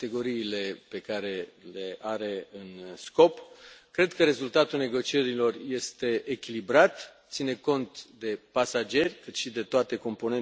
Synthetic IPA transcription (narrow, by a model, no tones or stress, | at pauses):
t̪e̞ɡo̞ɾiːle̞pe̞kaɾe̞leʔaɾe̞ɨnsko̞pkɾe̞d̪kəɾe̞zult̪at̪ulne̞ɡo̞t͡ʃie̞ɾilo̞rje̞st̪e̞ʔːkʲilibɾat̪t̪sine̞ko̞nt̪d̪e̞pasad͡ʒe̞rʲkɨt̪ʃid̪e̞t̪oat̪e̞ko̞mpo̞ne̞n